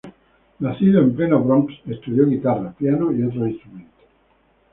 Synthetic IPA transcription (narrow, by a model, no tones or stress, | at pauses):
nasiðoemplenobɾɔmpsest̪ud̪jɔɡit̪arapjanoiot̪̬ɾoinst̪ɾument̪e̥